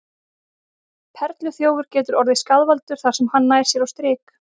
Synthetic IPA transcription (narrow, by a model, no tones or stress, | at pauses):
pʰɛɾt̪lʏθjoːwʏɾ̥cɛːt̪ʏɾɔɾðɪskaðvalt̪ʏɾ̥θaɾ̥sɛmhanːaːjɾ̥sjɛɾawst̪ɾɪːk